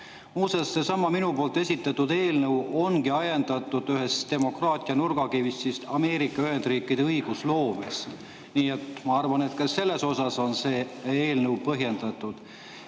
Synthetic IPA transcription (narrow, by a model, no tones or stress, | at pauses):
muːsesːe̞sɑmːɑminupo̞ːlt̪ːˑe̞sʲit̪ːˑɑt̪ːud̪e̞ːlnɤwo̞nɡiɑjend̪̥ɑt̪ːˑud̪̥yɦe̞st̪e̞mo̞krɑːt̪ʲˑiɑnurɡ̥ɑkivist̪sist̪ɑme̞ːɾikːˑɑyɦe̞nd̪riːkːˑid̪̥e̞ɤjɡ̥uslo̞ːmest̪ | niːe̞t̪mɑɑrvɑne̞t̪kɑsse̞lːe̞so̞sɑso̞nse̞ːeːlnɤwpɤɦje̞nd̪̥ɑt̪ːˑud̪̥